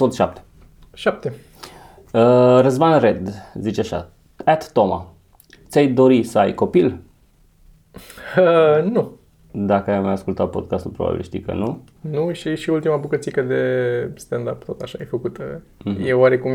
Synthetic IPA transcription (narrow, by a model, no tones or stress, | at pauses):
sot̪ʃap̚t̪e | ʃap̚t̪e | əɾəzmanred̪zit͡ʃeaʃa̰ | ɛt̪ːoma̰ | t̪sʲajd̪o̞ɾisəajko̞pil | nu | d̪akəajmajaskult̪at̪̚po̞̰d̪̚kast̪ulpɾoba̰bḭlʃt̪ḭjkə̰nu | nuʃiʃiult̪imabukət̪sikəd̪est̪and̪apt̪ot̪aʃajejfəkut̪ə̰jewaɾe̞kum